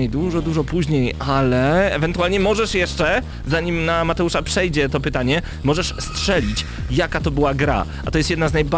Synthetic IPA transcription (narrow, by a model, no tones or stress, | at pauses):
ejd̪uʐɔd̪uʐɔpuʑɲejʔalɛɛ̰vɛnt̪ualɲɛmɔʐɛʂjɛʂt͡ʂɛ | zaɲimnamat̪ɛuʂapʂɛjd͡ʑɛt̪ɔpɘt̪aɲɛ | mɔʐɛʂstʂɛlʲit͡ɕjakat̪ɔbɘwaɡɾa̰ | at̪ɔjɛst̪jɛd̪naznajba